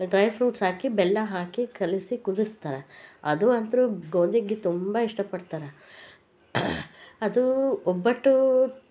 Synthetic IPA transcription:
ɖɾɐjpʰɾuːʈsɦaːkibɛlːɐɦaːkikɐlisikud̪ist̪aːɾeɐ̰d̪uɐnt̪ɾuɡoːnd̪iɡit̪umbɐiʂʈɐpɐɽt̪aːɾe | ɐd̪uɔbːɐʈːu

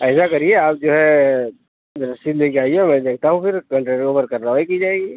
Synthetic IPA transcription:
ɛːsakɐɾieaːp̚d͡ʒoːɦɛ | ɾɐsid̪leːkeaːiemɛ̃ːd̪eːk̚ʰt̪aɦũfɪɾkɐ̃ɳʈɾeɾioːbəɾkɐɾːəʋaikid͡ʒaːeːɡiː

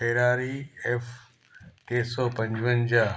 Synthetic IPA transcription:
peːɾaːɾief | keːsɔːpɐ̃ɲd͡ʑʋənd͡ʑa

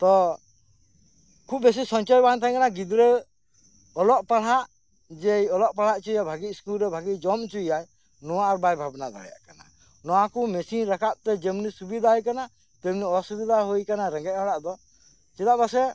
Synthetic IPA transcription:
t̪ɔ | kʰup̚bes̬isɔnt͡ʃɔjbant̪ʰaj̃kanaɡid̪ɾɛ | ɔlɔʔpaɽ̤aʔ | d͡ʒɛjɔlɔʔpaɽ̤aʔt͡ʃujabʱaɡiskulɾɛbʱaɡid͡ʒɔmt͡ʃujaj | nɔwaʔaɾbajbʱabnad̪a̰ɽɛ̰ja̰ʔkana̰ | nɔwakumɛsinɾakaʔ̚t̪ɛd͡ʒɛmnisubid̪ʱaɦɔjkana | t̪ɛmniɔsubid̪aɦujkanaɾɛ̃ŋɡɛʔ̚ˀhɔɽaʔd̪ɔ | t͡ʃɛd̪aʔbasɛ

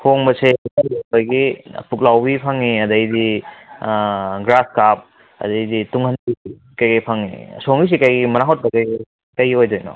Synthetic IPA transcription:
hoŋbɐseikanboŋbajɡḭpuk̚lawbipʰaŋiɐdɐjdi | ɡɾaskap̚ | ɐ̰dɐjdituŋhɐnbii | kajɡipʰaŋḭsoŋis̬ikajɡimɐnaɦot̚bɐkajɡi | kɐjɦojdojnɔ̰

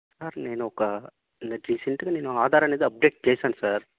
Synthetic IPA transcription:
saːɾneːnokːa | ɪnd̪ɐɾisɐɳʈɯkːɯneːnoaːðaːɾɐneðɯɐb̚ɖeːk̚ʈ̚keːsaːnsaːɾ

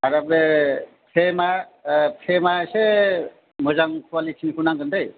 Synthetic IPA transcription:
aɾabe | pʰemapʰemase | mɯzaŋkʰuwalit͡ʃʰinikʰunaŋɡɯnd̪aj

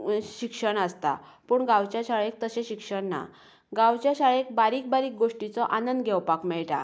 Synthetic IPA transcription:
ɕikʂəɳəst̪a̰ | puːɳɡãwt͡ɕjaɕaɭek̚t̪əɕẽɕikʂəɳna̰ | ɡãwt͡ɕjaɕaɭek̚baɾiːk̚baɾiːk̚ɡoʂʈit͡sɔʔanənd̪ɡʱɛwpakmɛɭʈa̰

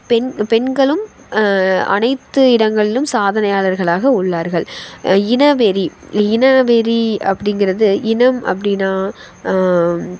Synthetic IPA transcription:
pɛnpɛnɡɐɭɯm | ɐ̰nɐɪt̪ːɯɪɽɐŋɡɐɭɪlɯmsaːðɐnɐjaːɭɐɾɣɐɭaːɣɐʊɭːaːɾɣɐɭɪnɐʋɛɾiɪnɐʋɛɾiɐ̰pːɐɽɪŋɡɪɾɐðɯɪnɐmɐ̰p̬ːɐɽɪnaː

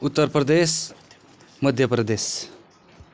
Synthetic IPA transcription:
ut̪ːəɾpɾəd̪eːs | məd̪ʱjəpɾəd̪eːs

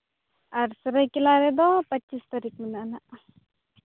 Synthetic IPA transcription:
aɾsəɾəjkilaɾɛd̪ɔpət͡ʃist̪aɾik̚minanaʔ

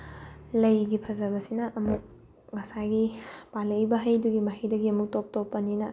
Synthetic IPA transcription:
lɐjɡipʰɐzɐbɐsinɐʔɐmuk̚ | mɐsaɡipalɐjbɐɦɐjduɡimɐɦɐjdɐɡiɐmuk̚top̚topːɐninɐ

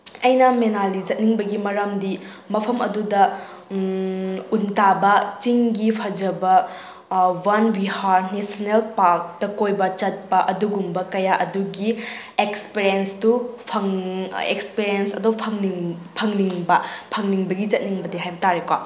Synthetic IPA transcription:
ɐjnɐmenalid͡ʒɐt̚niŋbɐɡimɐɾɐmdi | mɐpʰɐmɐdudɐ | untabɐt͡ʃiŋɡipʰɐd͡ʒɐbɐ | wanwihaɾnesonelpaɾk̚tɐkojbɐt͡ʃɐt̚pɐʔɐduɡumbɐkɐjaʔɐduɡi | ekspiɾiensdupʰɐŋḛkspiɾiensɐdɐwpʰɐŋniŋpʰɐŋniŋbɐpʰɐŋniŋbɐɡit͡ʃɐt̚niŋbɐdiɦajbɐtaɾekwa̰

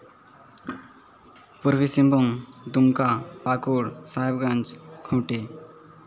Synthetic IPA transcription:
puɾʋisimbuŋd̪umkapakuɽsaebɡãnd͡ʑkʰõʈe

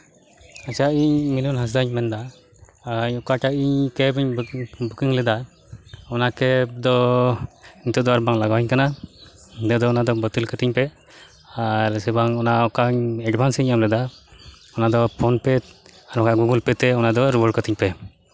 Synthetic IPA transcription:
at͡ʃaiɲminunɦas̬d̪aɲmɛnd̪a | ɲɔkaʈaiɲkɛbiɲbukiŋlɛd̪a | ɔnakɛd̪ɔ | iɲt̪ɔd̪ɔaɾbaŋlaɡawɛɲkana | d̪ɛd̪ɔɔnad̪ɔbɔt̪ilkət̪iɲpɛ | aɾsɛbaŋɔnaɔkaɲɛɖbʰʱansiiɲamlɛd̪a | ɔnad̪ɔpʰɔnpɛaɾɔkaɡuɡulpɛt̪ɛɔnad̪ɔɾubɔɽkət̪iɲpɛ

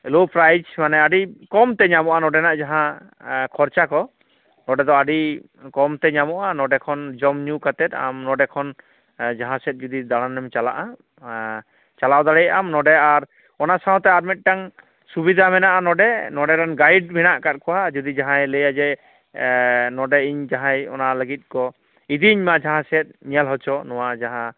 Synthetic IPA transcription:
lopɾajd͡ʒmanɛaɖikɔmt̪ɛɲamɔʔanɔɖɛnaʔd͡ʒaɦã | kʰɔɾt͡ʃakɔ | nɔɖɛd̪ɔaɖi | kɔmt̪ɛɲamɔʔanɔɖɛkʰɔnd͡ʒɔmɲukat̪ɛt̪̚a̰mnɔɖɛkʰɔn | d͡ʒaɦãsɛt̪̚ˀd͡ʒud̪id̪aɽ̃anɛmt͡ʃala̰ʔa | t͡ʃalawd̪aɽɛjamnɔɖɛaɾ | ɔnasaw̃t̪ɛaɾmit̪̚ˀʈaŋ | subid̪ʱamɛnaʔanɔɖɛnɔɖɛɾanɡajɖ̚bʱinaʔkat̪̚kʰɔwad͡ʒud̪id͡ʒaɦãjləjad͡ʒɛ | nɔɖɛiɲd͡ʒaɦãjɔ̰naləɡit̪̚kɔ | id̪iːɲmad͡ʒaɦãsɛt̪̚ɲijalɦɔt͡ʃʰɔnɔwad͡ʒaɦã

